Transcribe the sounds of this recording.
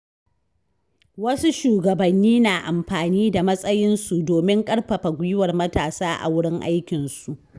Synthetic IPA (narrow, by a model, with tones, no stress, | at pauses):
wɐ˦su˦ʃuː˨ɡɐ˨bɐ˨nːiː˦naː˨ʔa˨mɸaː˨niː˦da˨mɐ˦sʼɐ˦jɪ˦nsu˨doː˨mɪ˦ŋkʼɐ˦rɸɐ˨ɸa˨ɡʷʊ˦jɪ˦wɐ˨rmɐ˦taː˨saː˦ʔa̰˨wʊ˦ɽɪ˦ŋʔa̰˦jkʲɪ˨nsu˨ʔ